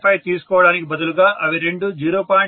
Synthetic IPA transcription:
pɐjt̪iːsu̥kɔːʋɐɽaːnikibɐd̪ulɡaːʔɐʋiɾe̞ɳɖud͡ʒiːɾoːpaː

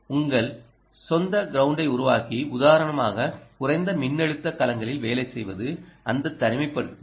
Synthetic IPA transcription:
ʊŋɡɐɭ | sɔnd̪ɐɡɪɾɐʊɳɖɐɪʊɾʊʋaːkiʊðaːɾɐɳɐma̰ːɣɐkʊrɐɪnd̪ɐmɪnːɛɻɯt̪ːɐkɐlɐŋɡɐɭɪlʋeːlɐɪsɛjʋɐ̰ðɯɐnd̪ɐt̪ːɐɾɪmɐɪpːɐɽɯt̪ː

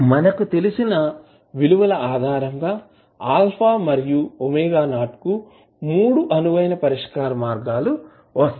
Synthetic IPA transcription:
mɐnɐkut̪e̞lisinɐ | ʋiluʋɐlɐaːd̪ʱaːɾɐŋɡaː | aːlpʰaːmɐɾijuomeːɡaːnaːʈku | muːɽuʔɐnuʋɐjnɐpɐɾiʂkaːɾɐmaːɾɡaːlu | ʋɐst̪ɐ

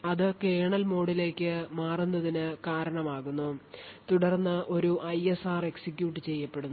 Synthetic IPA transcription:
ɐðɨkeːɳɐlmo̞ːɽile̞ːkʲːɨmaːrunːɐðinɨkaːɾɐɳɐmaːɣunːut̪uɽɐrnːɨʔo̞ɾuʔɐjesaːre̞ksikʲjuːʈ̬ːɨt͡ɕe̞jːɐpːe̞ɽunː

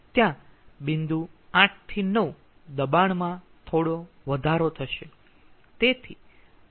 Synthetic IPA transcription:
t̪jãbind̪uãʈ̚ʰt̪ʰinəʋu | d̪əbaɳmã | t̪ʰoɽo | ʋəd̪ʱaɾot̪ʰəʃe | t̪et̪ʰi

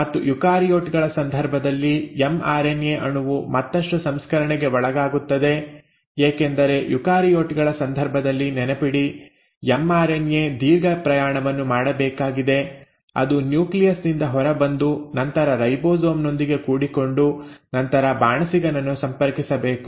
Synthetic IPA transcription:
mɐt̪ːujukaːɾijoːʈɡɐɭɐsɐnd̪ʱɐɾbʱɐd̪ɐlːijema̰ːɾenjeʔɐnuʋumɐt̪ːɐʂʈusɐmskɐɾɐɳɛɡe̞ɔɭɐɡaːɡut̪ːɐd̪e̞ | eːkend̪ɐɾe̞jukaːɾijo̞ːʈɡɐɭɐsɐnd̪ʱɐɾbʱɐd̪ɐlːinɛnepiɽi | emaːɾenje̞d̪iːɾɡɐpɾɐjaːɳɐʋɐnːumaːɽɐbɛːkaːɡid̪e̞ | ɐ̰d̪unjuːklijɐsnind̪ɐɦɔɾɐbɐnd̪unɐnt̪ɐɾɐɾɐjboːzoːmno̞nd̪iɡe̞kuːɽiko̞ɳɖunɐnt̪ɐɾɐbaːɳɐsiɡɐnɐnːusɐmpɐɾkisɐbeːku

